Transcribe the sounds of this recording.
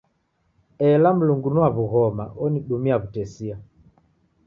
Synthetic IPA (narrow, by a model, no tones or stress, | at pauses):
ɛlam̩luŋɡunuaβuɣɔma̰ʔɔniɗumiaβutɛsia